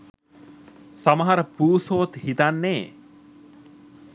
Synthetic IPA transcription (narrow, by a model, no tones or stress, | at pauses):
sɐmɐɦɐɾəpuːsoːt̪hit̪anːe